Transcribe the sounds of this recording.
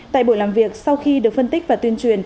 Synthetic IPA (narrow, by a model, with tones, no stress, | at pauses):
t̪a̰ː˧˨jɓo̰˧˨jlaː˨˩mvi˨˩ək̚sa˧wxi˧ɗɨ˨˩ək̚fə˧nt̪i˦˥k̟̚vaː˨˩t̪wi˧ənt͡ɕwi˨˩ən